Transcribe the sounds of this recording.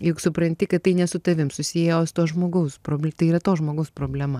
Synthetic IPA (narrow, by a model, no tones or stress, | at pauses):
jʊksʊpɾɐnʲt̪ʲɪkɐt̪t̪ɐɪnʲɛsʊt̪ɐʋʲɪmsʊsʲɪjɛjoːsʊt̪oːʒmoːɡɐʊspɾoːbʲlʲt̪ɐɪiːɾɐt̪oːʒmoːɡɐʊspɾoːbʲlʲɛmɐ